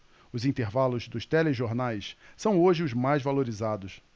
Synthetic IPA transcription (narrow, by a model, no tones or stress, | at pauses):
ʊzĩnt̪eɾvalʊzd̪ʊst̪ɛleʒoɾnajssɐ̃w̃oʒɪʊzmajzvaloɾizad̪ʊs